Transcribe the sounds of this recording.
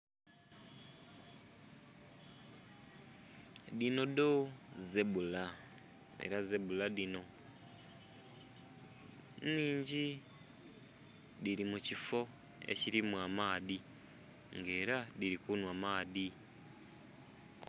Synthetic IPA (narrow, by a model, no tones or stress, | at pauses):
dino̞dozebula | ḛɾazebuladino̞ | niːɲɟi | diɾimucifo̞ | ḛciɾimwamaːði | ŋɡe̞ːɾadiɾikunwamaːði